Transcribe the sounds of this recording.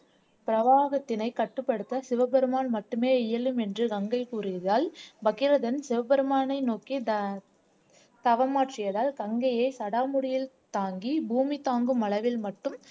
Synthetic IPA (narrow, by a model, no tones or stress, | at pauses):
pɪɾɐʋaːɣɐt̪ːɪnɐɪkɐʈːɯpːɐɽɯt̪ːɐsɪʋɐbɐɾɯmaːnmɐʈːɯmeːɪjɐlɯmɛndrɯkɐŋɡɐɪkuːrɪjɐðaːlbɐɣɪɾɐðɐnsɪʋɐbɐɾɯmaːnɐɪnoːki | t̪ɐʋɐmaːʈrɪjɐðaːlɡɐŋɡɐjɐɪsɐɽaːmʊɽɪjɪl | t̪aːŋɡibuːmit̪aːŋɡɯmɐɭɐʋɪlmɐʈːɯm